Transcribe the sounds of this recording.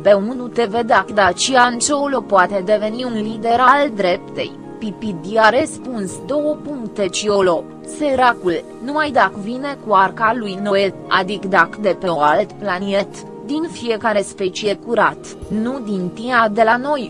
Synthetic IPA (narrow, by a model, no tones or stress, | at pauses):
beunut̪e̞ved̪akd̪at͡ʃiant͡ʃeolo̞poat̪e̞d̪e̞ve̞niunlid̪e̞ɾald̪ɾe̞pt̪ḛj | pipid̪iaɾespunsd̪o̞wəpuŋkt̪e̞t͡ʃiolo̞ | seɾakul | numajd̪akvine̞kuarkalujno̞e | a̰d̪ikd̪akd̪epe̞oalt̪planiet̪ | d̪infije̞kaɾe̞spe̞t͡ʃie̞kuɾat̪ | nud̪int̪iad̪e̞lano̞j